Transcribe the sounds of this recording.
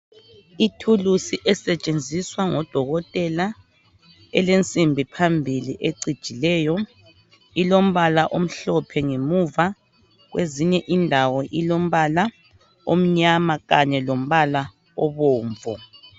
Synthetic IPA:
itʰulusiʔɛsɛt͡ʃʼend͡zʱiswaŋɔd̥ʱɔɣɔtʼɛla | ɛlent͡sʼimbʱipʰambʱiliʔeǀid̥ʒ̥ʱilɛːjɔ | ilom̩βalaʔom̩ɬɔpʰɛŋemuva | ɣweziɲɛʔindʱawɔʔilom̩βala | o̰m̩ɲamaɣaɲɛlom̩βala | ɔβɔːɱvɔ

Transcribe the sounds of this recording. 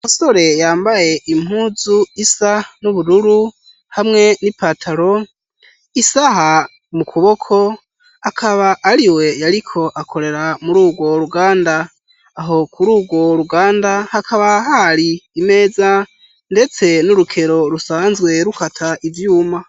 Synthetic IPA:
muso̞ɾe̞jaːmbaje̞ʔim̥huːzuisanuβuɾuɾu | hamŋe̞nipatʰaɾo̞ | isaɦa | mukʰuβo̞kʰo̞ | akʰaβaʔːɾiwe̞jaɾikʰo̞ʔakʰo̞ɾe̞ɾamuɾuːɡwo̞ɾuɡaːndaː | ɦo̞kʰuɾuːɡwo̞ɾuɡaːndahakʰaβahaɾiːme̞ːd͡za | nde̞t͡se̞nuɾukʰeɾo̞ɾusaːnzɡwe̞ɾukatʰaʔivjuːma

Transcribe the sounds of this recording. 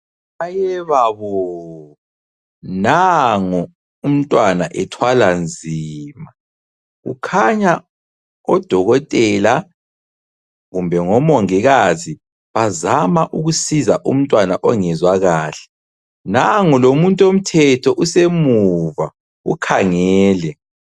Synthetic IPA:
ajɛβaβɔ | naŋɔ | um̩tʼwanaʔɛtʰwaland͡zʱiːma | ɣṵkʰaɲa | ɔd̥ʱɔɣɔtʼɛla | ɣumbʱɛŋɔmɔŋiɣazi | βazamaʔuɣusizaʔṵm̩tʼwanaʔɔŋɛzwaɣaːɬɛ̥ | naŋɔlomuntʼom̩tʰɛtʰɔʔusemuva | ṵkʰaŋɛɛːlɛ

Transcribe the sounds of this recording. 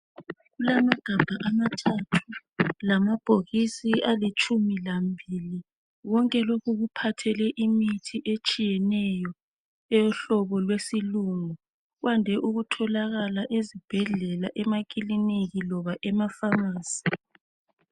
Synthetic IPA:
ɣulamaɡ̥ʱab̥ʱaʔamatʰatʰulamab̥ʱoɣisiʔalit͡ʃʼumilambʱili | wɔŋkʼɛlokʰuɣupʰatʰɛlɛʔimitʰiʔet͡ʃʼijɛnɛjɔ | ɛjɔɬɔβɔlwesiluŋɔ | ɣwandʱɛʔuɣutʰɔlaɣalaʔezib̥ʱɛɮɛlaʔɛmak̬ʼiliniɣilɔβaʔɛmafamaːz̥i̥

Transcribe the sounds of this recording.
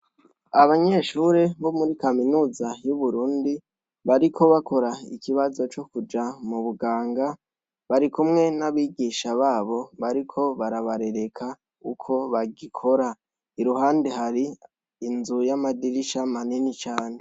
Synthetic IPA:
aβaɲe̞ʃuːɾe̞βo̞muɾikaminuːzajuβuɾuːndi | βaɾikʰo̞βako̞ɾaḭkiβazo̞t͡ʃo̞kud͡ʒamuβuɡaːŋɡa | βaɾikumŋe̞naβiːɡiʃaβaːβo̞βaɾikʰo̞βaɾaβaɾe̞ɾe̞kʰa | ukʰo̞βaɡikʰo̞ɾa | iɾuɦaːndeɦaɾiː | nzujamadiɾiʃamaninit͡ʃaːne̞

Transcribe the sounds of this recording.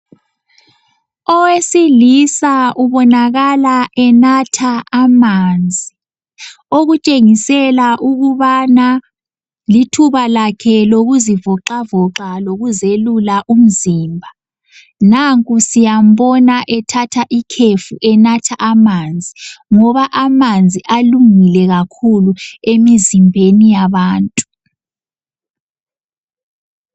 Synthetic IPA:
ɔwesilisauβɔnaɣalaʔɛnatʰaʔːmand͡zʱi | oɣut͡ʃʼeŋisɛlaʔuɣuβana | litʰuβalakʰɛloɣuzivɔǃavɔǁaloɣuzelulaʔum̩ziːmbʱa | naŋkʼusijam̩βɔnaʔɛtʰatʰaʔikʰefuʔɛnatʰaʔamand͡zʱiŋɔβaʔamand͡zʱiʔaluŋilɛɣakʰuluemizimbʱenijaβaːntʼu̥

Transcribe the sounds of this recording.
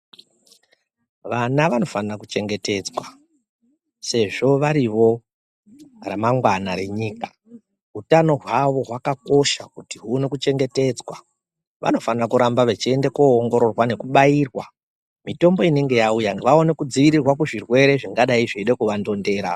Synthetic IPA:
ʋanaʋano̞fanrakut͡ʃe̞ŋɡe̞te̞d͡zwa | se̞ʐo̞ʋaɾiʋo̞ | remaŋɡwanare̞ɲiːkḁ | utano̞ɦwaʋo̞ɦwakako̞ʃakutiɦuːnekut͡ʃe̞ŋɡe̞te̞d͡zwa̰ | ʋʔa̰no̞fanirakuɾambaʋe̞t͡ʃiendekoːŋɡo̞ɾo̞rwane̞kuɓaiːrwa | mito̞mbo̞ine̞ŋɡe̞jaujaʋao̞ne̞kud͡ziʋiɾirwakuʐirwe̞ɾe̞ʐiŋɡaɗaiʐiiɗekuʋando̞nde̞ːɾa̰

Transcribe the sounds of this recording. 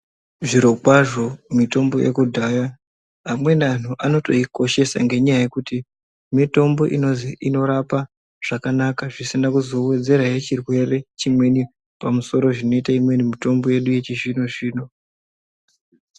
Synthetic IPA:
ʐiɾo̞kwaʐo̞mito̞mbo̞̰jḛkudʱaja | amwe̞nan̤uʔano̞to̞̰iko̞ʃe̞sa̰ŋɡe̞ɲajaje̞kuti | mito̞mbo̞ʔino̞ziʔino̞ɾapa | ʐ̥akanakaʐisinakuzo̞we̞d͡ze̞ɾajet͡ʃirwe̞re̞t͡ʃimwe̞ni | pamuso̞ɾo̞ʐino̞itaimwe̞nimito̞mbo̞je̞ɗuje̞t͡ʃiʒino̞ʐiːno̞

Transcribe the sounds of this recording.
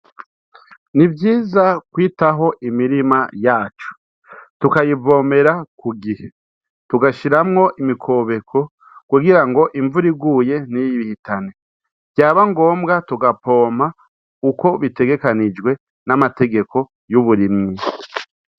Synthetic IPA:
nivjiːzakwiːtaɦo̞ʔimiɾimajaːt͡ʃo̥ | tukajivo̞ːme̞ɾakuɡihe | tuɡaʃiɾamŋo̞ʔimikʰo̞ːβe̞kʰo̞ | kuɡiɾaŋɡo̞ʔiɱvuɾiɡuːje̞nijiiβihitane̞ | ɟjaːβaŋɡo̞ːmbɡatuɡapʰo̞ːm̥a | uko̞βite̞ɡe̞kanid͡ʒɡwe̞ | namate̞ɡe̞kʰo̞ | juβuɾimɲi

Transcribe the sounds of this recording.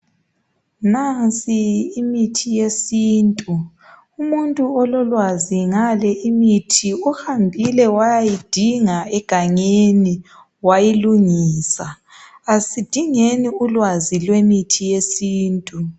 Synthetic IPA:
nansʼiːmitʰijesiːntʼu | umuntʼuɔlɔlwaziŋalɛʔimitʰiɔhambʱilɛwajajid̥ʱiŋaɛɡ̥ʱaɲeni | wajiluŋiːsa | asid̥ʱiŋeniulwazilwemitʰijesiːntʼu

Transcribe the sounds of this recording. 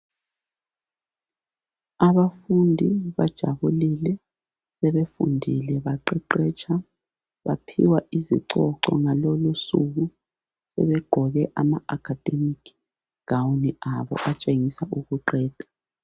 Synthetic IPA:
aβafundʱiβad̥ʒ̥ʱaβulilɛ | sɛβefṵndʱilɛβaǃɛǃɛːt͡ʃʼʰa | βapʰḭwaʔizḭǀɔǃɔ̰ŋalolusuɣu | sɛ̰βɛɡ͡ǃʱɔɣɛʔamaakʰad̥ʱemikʰ | ɡ̥awniaβɔ̰ʔat͡ʃʼeŋisaʔuɣuǃɛːd̥ʱḁ

